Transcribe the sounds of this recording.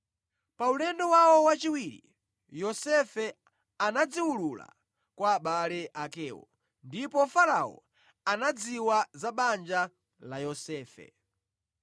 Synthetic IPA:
paulɛndɔwawɔwat͡ʃiwiɾḭ | jɔsɛfɛ | anad͡ziwulula̰ | kwaːɓalɛʔakɛːwɔ̰ | ndipɔfaɾawɔ̰ | anad͡ziwazaɓand͡ʒa | lajɔsɛːfɛ̰

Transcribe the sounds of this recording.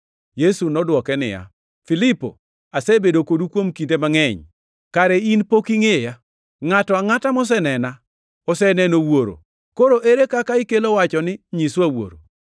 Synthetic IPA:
jesunɔdwɔkɛnɪ̰ja̰ | filɪpo̰ | asɛbedokodukwomkintemaŋɛɲ | kaɾɛinpokiŋeja | ŋatɔaŋatamɔs̬ɛnɛna | ɔsɛnɛnowoɾo̰ | koɾoʔeɾekakaikelowat͡ʃɔnɪɲiswawo̰ɾo̰

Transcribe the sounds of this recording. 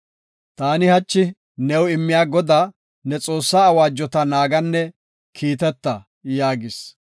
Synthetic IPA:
t̪aːnɪhɐt͡ʃːɪ | nɛwɪmːɪjaːɡɔd̪a | nɛt͡sʼo̞ːsːaːwaːd͡ʒːɔt̪ɐnaːɡɐnːɛ | kʰiːt̪ɛt̪ːɐ | jaːɡɪs

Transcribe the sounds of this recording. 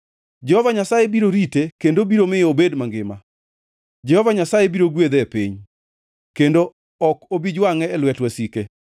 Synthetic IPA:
d͡ʒɛhɔvaɲasajebiɾoɾitekendobiɾomɪobedmaŋɡɪma | d͡ʒɛhɔvaɲasajebiɾoɡwed̪ɛpiɲ | kendo | ɔkobid͡ʒwaŋɛːlwɛtwɛsike

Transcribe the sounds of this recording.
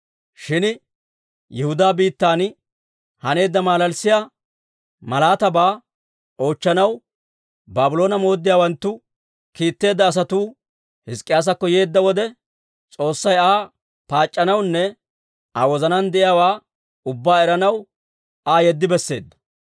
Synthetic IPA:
ʃɪn | jɛhʊd̪aːbiːt̪ːaːn | hɐne̞ːd̪ːɐmaːlɐlsɪja | mɐlaːt̪ɐbaː | o̞ːt͡ʃːɐnɐw | baːbʊlo̞ːnɐmo̞ːd̪ːɪjaːwɐnt̪ːʊ | kiːt̪ːe̞ːd̪ːɐːs̬ɐt̪uː | hɪskʼːɪjaːs̬ɐkːɔje̞ːd̪ːɐwɔd̪ɛ | t͡sʼo̞ːsːɐjaː | paːt͡ʃʼːɐnɐwnːɛ | awɔzɐnɐnd̪ɛʔɪjaːwaː | ʊbːaːɛɾɐnɐw | aːjɛd̪ːɪbɛsːe̞̰ːd̪ːɐ̥

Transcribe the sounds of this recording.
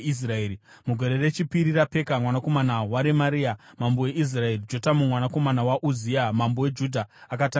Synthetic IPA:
is̬raeːɾi | muɡʱo̞ɾere̞t͡ʃipiɾirape̞kamwanako̞manawaɾemaɾiamambowe̞ʔis̬rae̞rid͡ʒo̞tamumwanako̞manawaʔuziamambowe̞d͡ʒudʱaakata

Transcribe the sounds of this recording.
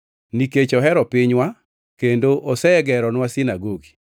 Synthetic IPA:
niket͡ʃɔɦɛɾɔpɪɲwa | kendoʔosɛɛɡɛɾɔnwasɪnaɡoɡi̥

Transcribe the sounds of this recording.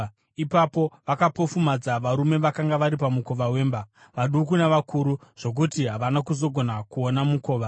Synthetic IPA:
ipapo̞ʋakapo̞fumad͡zaʋaɾume̞ʋakaŋɡaʋaɾipamuko̞ʋawe̞ːmba | ʋaɗukunaʋakuɾuʐ̥o̞k̬utiɦaʋanakuzo̞ɡʱo̞nakuonamuko̞ːʋa

